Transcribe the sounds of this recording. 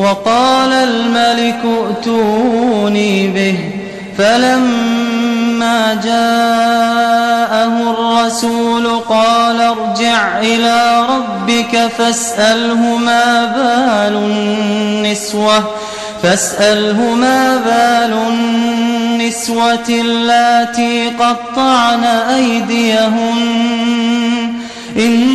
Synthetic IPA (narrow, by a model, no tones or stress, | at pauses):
wɑqɑːlalmalɪkʊʔt̪uːniːbɪh | falamː | aːd͡ʒaː | ʔahʊrˤːɑsuːlʊqɑːlaɾˤd͡ʒɪʕʔɪlaːɾˤɑbːɪkafasʔalɦʊmaːbaːlʊː | ɪswa | fasʔalɦʊmaːbaːlʊnː | ɪswalːat̪iːqɑd̪̚t̪ˤːɑʕnaʔajd̪ɪjaɦʊ | ʔɪn